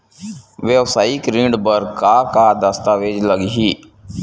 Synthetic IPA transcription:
ʋeʋsaːikɾĩɳɖbəɾkaːkad̪əst̪aːʋeːd͡ʒləɡiɦiː

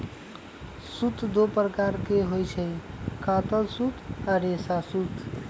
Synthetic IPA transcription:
sut̪d̪opɾəkaɾkeɦojt͡ʃʰəjkat̪əlsut̪ʰaɾesasut̪

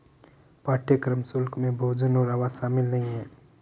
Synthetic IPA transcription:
paːʈjəkɾəmsʊlkmẽbʱoːd͡ʒənoːɾaʋaʃaːmɪlnɐɦĩɦɛ̃ː

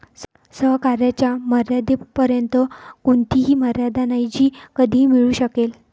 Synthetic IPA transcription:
s | səɦkaɾjat͡ɕjaməɾjad̪epəɾjənt̪əkuɳt̪iɦiːməɾjad̪anajd͡ʑiːkəd̪ʱiːmiɭuːɕəkel

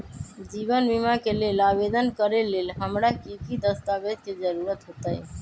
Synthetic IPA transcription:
d͡ʒibənbimakelelabed̪ənkəɾelelɦəmɾakikid̪əst̪abed̪̚ked͡ʒəɾuɾət̪ɦot̪əj

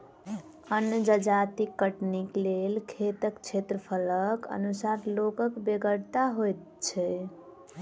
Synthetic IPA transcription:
ənjəd͡ʒəd͡ʒat̪ikːəʈniklelkʰet̪əkt͡ʃʰet̪ɾəpʰələkə̰nusaɾlokəkbeɡəɽt̪aɦojt̪ | t͡ʃʰɛ

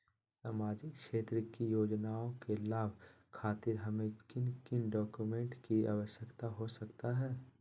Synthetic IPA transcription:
saːmaːd͡ʒɪkʃeːt̪ɾəkijoːd͡ʒnaːõkelaːbʱ | kʰaːt̪ɪɾɦɐmẽkɪnkɪnɖɔːkumẽːɳʈkia̰ːʋəʃjəkt̪aɦosɐkt̪aɦɛː

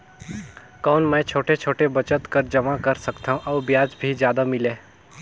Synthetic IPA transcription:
kɔːnmɛ̃ːt͡ʃʰoːʈet͡ʃʰoːʈebɐt͡ʃət̪kəɾd͡ʒɐmakɐɾsəkt̪aɦũʔɔːbjaːd͡ʒbʱid͡ʒjaːd̪amɪleː

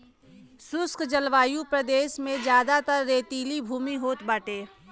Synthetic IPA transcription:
sʊskʰd͡ʒəlʋaːjupɾəd̪eːʃmẽd͡ʒjaːd̪at̪əɾːeːt̪iːlibʱuːmiɦoːt̪baːʈeː

